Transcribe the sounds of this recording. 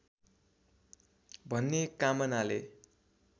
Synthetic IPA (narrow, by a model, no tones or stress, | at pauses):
bʱʌnːekamʌnale